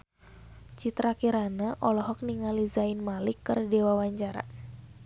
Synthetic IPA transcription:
t͡ʃit̪ɾakiɾanaʔɔlɔɦɔk̚niŋalizainmalikːɨrdɛwawaɲt͡ʃaɾa̰

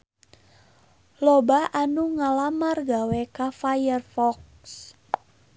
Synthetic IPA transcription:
lɔbaʔanuŋalamarɡawɛkafajərfɔk | s

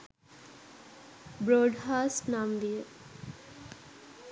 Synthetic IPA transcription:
bɾoːɖɦaːsnaːmd̪ijə

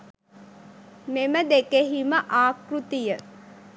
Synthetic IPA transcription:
meməd̪ekeɦiməʔaːkrut̪ijə

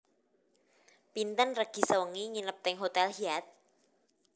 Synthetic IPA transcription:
pint̪ənrəɡ̥i̤səwəŋiŋinəp̚t̪ɛŋɦot̪ɛlhiat̪̚

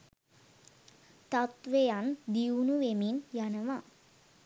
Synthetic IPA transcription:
t̪at̪ʋejand̪iunuʋeminjanəʋa

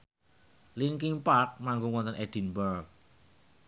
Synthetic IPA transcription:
liŋkɪŋpak̚maŋɡuŋwɔnt̪ənʔed̪̥i̤nbər

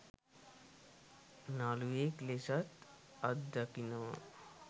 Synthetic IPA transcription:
nalueklesat̪ | ɐd̪ːakinoː

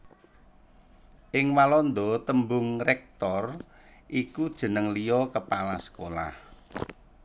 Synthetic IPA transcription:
ʔɪŋwalɔnd̪ɔt̪əmbʊŋrɛk̚t̪ɔr | ʔikud̥ʒ̥ə̤nəŋlijɔkəpalasə̥kola̰h

